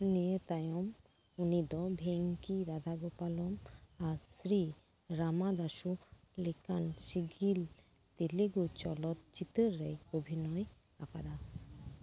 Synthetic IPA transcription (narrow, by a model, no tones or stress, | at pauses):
niet̪ajom | unid̪ɔbʱeŋkiɾad̪ʱaɡopalomasɾi | ɾamad̪aʃu | likanʃiɡil | t̪eleɡut͡ɕɔ̰lɔt̪̚t͡ɕit̪eɾːejobʱinɔe | a̰kad̪a